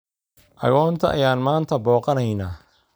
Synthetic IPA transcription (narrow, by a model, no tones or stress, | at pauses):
ʔɐ̰ɣɔːnt̪ʰɐʔɐ̰jaːnmaːnt̪ʰɐbɔːqɑnɐjnaː